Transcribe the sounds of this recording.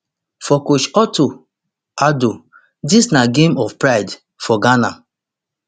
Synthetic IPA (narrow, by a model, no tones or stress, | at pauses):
fɔkot͡ʃɔto | ado | disnaɡemɔfpɾaɪd | fɔɡana̰